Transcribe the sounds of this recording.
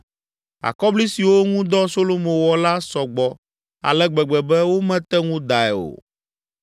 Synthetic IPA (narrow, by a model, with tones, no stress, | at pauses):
a̰˨kɔ˦bli˦si˨wo˦ŋũ˦d̪ɔ˦so˦lo˦mõ˨wɔ˨la˦sɔ˨ɡ͡bɔ˨ | a̰˨lɛ˦ɡ͡bɛ˨ɡ͡bɛ˨bɛ˦wo˦mɛ̃˦t̪ɛ˦ŋũ˦d̪a˨ɛ˨o̰˨